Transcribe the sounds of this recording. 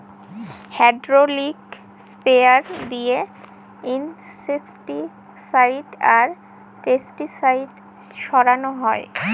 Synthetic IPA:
hɛɖɾolik | speaɾd̪ije | in | sesʈi | sajɖaɾ | fesʈisajɖ | ʃɔɾanoɦɔe

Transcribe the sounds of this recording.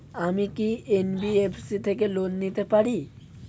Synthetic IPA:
amikienbiepʰsit̪ʰekelonːit̪epaɽi

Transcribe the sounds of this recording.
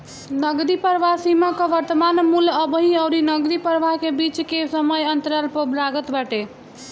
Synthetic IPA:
nəɡɾipəɾʋasimakəʋəɾt̪əmanmuləbɦiəʊɾinəɡɾipəɾʋakebit͡ʃkesəməjənt̪əɾəlpəblaɡət̪bəʈe

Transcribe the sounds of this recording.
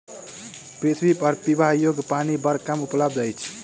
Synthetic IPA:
pɾit̪ʰwipʌɾpibajoɡpanibʌɾkamupləbd̪əjt͡ʃʰ

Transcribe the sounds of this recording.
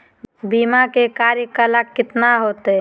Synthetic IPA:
biːmakekaːɾjəkəlakːɪt̪naɦoːt̪e

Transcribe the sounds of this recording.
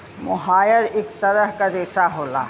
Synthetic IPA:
mʊ̰ɦaːjəɾekt̪ɐɾəɦkad̪eːsaɦoːla̰ː

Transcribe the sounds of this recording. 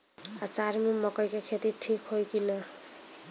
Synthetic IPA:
at͡saɾmemʌkʌjkakʰet̪iʈʰikhojkinʌ

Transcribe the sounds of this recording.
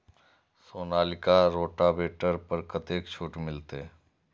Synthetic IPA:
soːnaːlɪkaɾoːʈabeːʈəɾpəɾkət̪eːkt͡ʃʰoːʈmɪlt̪e

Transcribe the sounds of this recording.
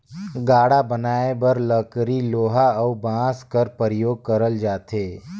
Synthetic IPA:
ɡaːɽabənaːebɐɾləkɾiloːɦaɐubãːskəɾpəɾəjoːɡ̚kəɾəld͡ʒaːt̪eː

